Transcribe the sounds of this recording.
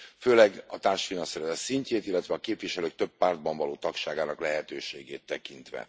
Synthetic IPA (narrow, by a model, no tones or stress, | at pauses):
føːlɛɡɒt̪aːrʃfinɒnsɛɾɛzɛt̪siɲceːt̪ilːɛt̪ʋɛɒkeːpviʃɛløːk̚t̪ø̞pːaːrd̪̚bɒɱvɒloːt̪ɒkʃaːɡaːnɒklɛɦɛt̪øːʃeːɡeːt̪ːɛkint̪ʋɛ̰